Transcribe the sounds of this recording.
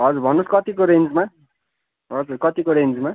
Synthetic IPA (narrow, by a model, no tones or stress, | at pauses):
ɦʌd͡zuɾbʱʌnːoskʌt̪ikoɾend͡zma | ɦʌd͡zurkʌt̪ikoɾend͡zma